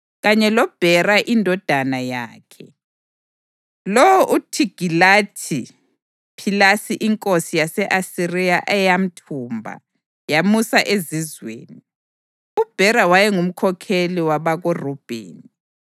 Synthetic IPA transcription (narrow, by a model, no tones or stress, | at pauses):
ɣaɲɛlɔb̥ʱɛraʔindʱɔd̥ʱanaja̰ːkʰɛ | lɔwɔʔutʰiɡ̥ʱilatʰi | pʰilasiʔiŋkʼosijasɛʔasirijaʔɛjam̩tʰumbʱa̰ | jamusaʔezizwḛːni | ub̥ʱɛɾawajɛŋum̩kʰɔkʰeliwaβaɣorub̥ʱḛːni